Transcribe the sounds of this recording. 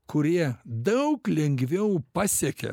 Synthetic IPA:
kʰʊɾʲiɛd̪ɐʊklʲɛŋʲɡʋʲɛʊpɑːsʲɛkʲɛ̰

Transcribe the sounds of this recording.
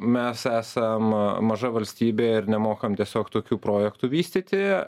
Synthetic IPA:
mʲɛsæːsɐmmɐʒɐʋɐlʲsʲt̪ʲiːbʲeːɪɾnʲɛmoːkɐmt̪ʲiɛsʲoːkt̪oːkʲuːpɾoːjɛkt̪ʊʋʲiːsʲt̪ʲiːt̪ʲɪ

